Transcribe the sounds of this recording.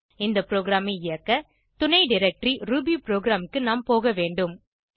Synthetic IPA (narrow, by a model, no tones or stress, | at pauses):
ɪnd̪ɐpɾoːɡɾaːmɪɪjɐkːɐ | t̪ʊɳɐɪɖɪɾɛk̚ʈɾiɾuːbipɾoːɡɾaːmɪkːɯnaːmpoːɣɐʋeːɳɖɯm